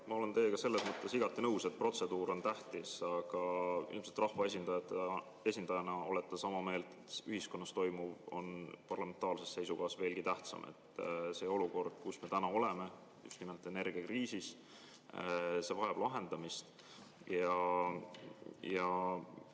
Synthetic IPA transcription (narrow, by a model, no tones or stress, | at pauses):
mɑo̞le̞nt̪e̞ːkɑse̞lːesmɤt̪ːˑe̞siɡ̥ɑt̪ːˑinɤwse̞t̪̚pro̞t̪se̞d̪uːɾo̞nt̪æht̪isɑɡ̥ɑḭlmset̪rɑhvɑe̞s̬ʲind̪ɑjɑt̪ˑːe | e̞sʲind̪̥ɑjɑnɑo̞let̪ːˑɑsɑmɑme̞ːlt̪et̪ːyhiskonːɑst̪o̞jmuvo̞̰npɑrlɑme̞nt̪ˑɑːlse̞sse̞jsukɑːɑsve̞ːlɡ̥it̪æht̪sɑ̰mʔḛt̪ːˑse̞ːo̞luko̞rd̪̥̚kusme̞t̪ænɑo̞le̞me̞ | jṵst̪nime̞lt̪ːˑene̞rɡ̥iɑkriːsis | se̞vɑjɑb̥lɑɦe̞nd̪̥ɑmist̪ | jɑ | jɑ